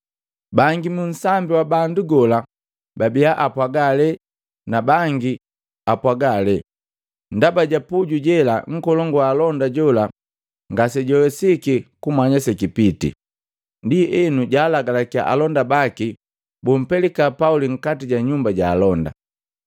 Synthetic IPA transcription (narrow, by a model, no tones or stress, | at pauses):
baŋɡimun̩sambiwabanduɡɔla | babijaʔapwaɡalɛ | nabaŋɡi | apwaɡalɛ | ndabaɟapuɟuɟɛlaŋ̩kɔlɔŋɡwaːlɔndaɟɔla | ŋɡasɛɟɔwɛsikikumaɲasɛkipitḭ | ndiɛnuɟaːlaɡalakia̰ʔa̰lɔndabaki | bum̩pɛlikapauliŋ̩katiɟaɲumbaɟaːlɔnda̰